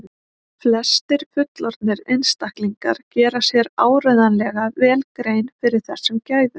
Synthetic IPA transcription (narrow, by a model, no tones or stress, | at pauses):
flɛst̪ɪɾ̥fʏt̪lɔɾt̪̚nɪɾejnst̪ahkliŋka̰ɾ̥cɛːɾḁsjɛɾaːwɾœɥðanlɛɣavɛːlkɾeːjnfɪɾɪɾ̥θɛr̥sɛmcaːjðʏ̥